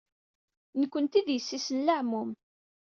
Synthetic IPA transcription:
nəkʷːənt̪iðjəsːisənlaʕmʊm

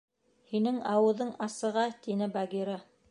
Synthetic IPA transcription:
hinɘŋɑwɤ̆ðɤɴɑsɤ̆ʁɑt̪inɘbaɡiɾɑ

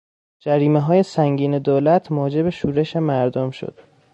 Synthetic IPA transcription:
d͡ʒæɾiːmeɦɒːje̞sæŋɟiːned̪oːlæt̪ʰmɒːd͡ʒe̞beʃuːɾe̞ʃemæɾd̪omʃo̰d̪̥

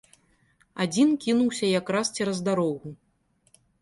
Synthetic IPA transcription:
ad͡zʲinkʲinuwsʲɐjakɾast͡sʲɛɾɐzd̪aɾɔɣu

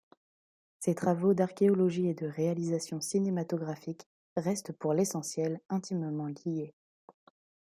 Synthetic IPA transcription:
set̪χavod̪aʁkʲeɔlɔʒied̪əʁealizasjɔ̃sinemat̪ɔɡʁafik | ʁɛst̪puʁlesɑ̃sjɛlɛ̃t̪ʰimmɑ̃ɡʲije

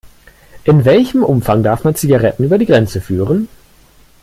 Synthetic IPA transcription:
ʔɪnvɛlçəmʔʊmfaŋdaɐfmant͡siɡaʁɛtn̩yːbɐdiːɡʁɛnt͡səfyːʁən

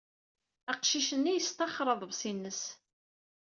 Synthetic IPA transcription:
æqʃiʃənːijəst̪ɑχːɾˤəðˤvsinːəs

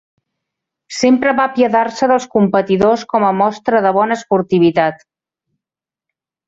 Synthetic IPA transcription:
sempɾəβapjəðarsəðəlˠskumpət̪iðoskɔməmɔst̪ɾəðəβ̞ɔnəːspuɾt̪iβit̪at̪

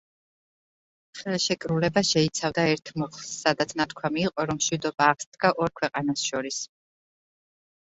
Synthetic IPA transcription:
χɛlˠʃɛkʼɾulɛbaʃɛit̪sʰavd̪aɛɾt̪ʰmɔχlˠsːad̪at̪sʰnat̪ʰkʰwamiːqʼɔɾɔmʃwid̪ɔbaːʁsd̪ɡaʔɔɾkʰwɛqʼanasʃɔɾis

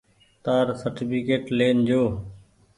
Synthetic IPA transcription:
t̪aːɾsəɾʈipʰikeːʈleːnd͡ʒoː

